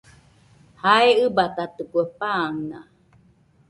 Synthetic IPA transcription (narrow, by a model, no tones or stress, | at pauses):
haeɯbat̪at̪ɨkuepaŋna